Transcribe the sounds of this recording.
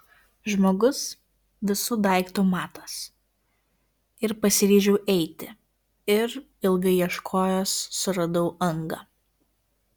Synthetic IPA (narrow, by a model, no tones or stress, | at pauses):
ʒmoːɡʊs | ʋʲɪsʊd̪ɐˑɪkt̪oːmɑːt̪ɐs | ɪɾpɐsʲɪɾʲiːʒʲɛʊʔɛɪt̪ʲɪ | ɪɾ | ɪlˠɡɐɪjiɛʃkʰoːjoːsːʊɾɐd̪ɐʊʔɐŋɡɐ